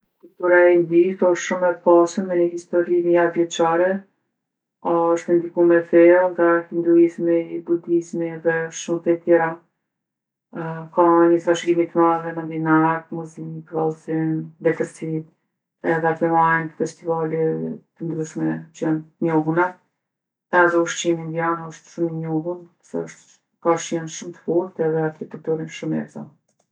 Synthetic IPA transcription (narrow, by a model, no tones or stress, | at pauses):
kult̪uɾaind̪iθɔʃʃumɛpasənmɛɲəɦist̪ɔɾinəjavjɛt͡ʃaɾɛ | aɔʃt̪ɛnd̪ikumɛfɛlˠŋɡahind̪ɾuismibud̪izmiɛðɛɔʃʃumt̪ɛt̪jɛɾa | kaɲəsaʃɡimit̪əmaðɛmand̪inaɾt̪muzikvalˠzimd̪ɛt̪ɛɾsit | ɛðɛat̪ɛmaɛnəfɛst̪ivalit̪ənd̪ɾyʃmɛt͡ʃɛnɲɔɦunɛt | ɛaðɛuʃt͡ʃimind̪ianəʃt̪ʃuməɲɔɦun | sɛ̰əʃt̪ | kaʃjɛnʃumt̪ə̥fuɾt̪ɛðɛaçit̪ɛk̚t̪uɾinʃumɛ̰zɔ̰